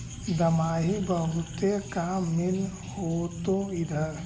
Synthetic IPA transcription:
d̪əmaːɦibəɦʊt̪jekamɪl | hoːt̪oid̪ʱɐɾ

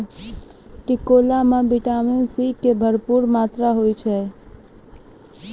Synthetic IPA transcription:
ʈɪkoːlamãbɪʈaːmɪnsikebʱəɾpuːɾmaːt̪ɾaɦoit͡ʃʰɛ

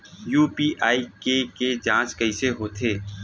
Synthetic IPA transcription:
juːpiːʔaːikeked͡ʒãːt͡ʃkɐiseɦoːt̪ʰeː

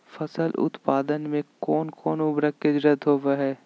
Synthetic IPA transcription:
fʰɐsəlʊ̰t̪paːd̪ənmẽkɔːnkɔːnʊbɾəkːed͡ʒɾət̪ɦoːʋaɦɛː

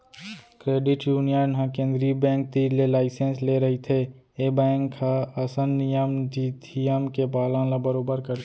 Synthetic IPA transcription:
kɾeːɖɪʈjuːnijənɦãkẽːnd̪ɾibɛ̃ːŋk̚t̪iːlelaːɪsẽnsleɾɐɦit̪ʰe | eːbɛ̃ːŋkaɐsənːɪjəmd͡ʒiːt̪ʰijəmkebaːlãlabəɾoːbəɾkəɾ

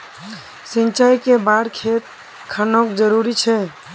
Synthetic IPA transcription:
sint͡ʃajkebaɽkʰet̪̚ | kʰanokd͡ʒəɾuɾit͡ʃʰɛ

